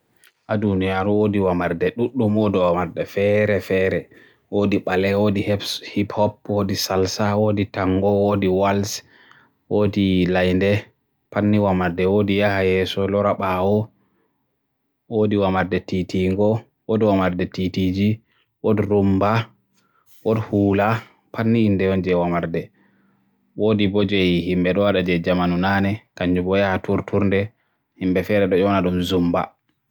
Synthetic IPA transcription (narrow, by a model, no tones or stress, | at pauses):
ʔadunijaɾuwodiwamaɾdɛɗuɗːumwodiwamaɾdɛfɛɾɛfɛɾɛ | woːdiɓalɛwoːdihɛhiphɔp̚wodisalsawoːditaŋɡɔwodiwals | woːdilajndɛ | panːiwamaɾdɛwodijahajɛsɔlɔɾaɓawɔ | woːdiwamaɾdɛtitiŋɡɔ | wodwamaɾdɛtitid͡ʒi | wodiɾumba | wodhuːla | pʰanːiindɛwɔnd͡ʒɛwamaɾdɛ | woːdibɔd͡ʒejihimbɛɗɔwaɗad͡ʒɛd͡ʒamanunanɛkaɲd͡ʒubɔjahatuɾtʰuɾndɛ | himbɛfɛɾɛɗɔd͡ʒɔnaɗumzumba̰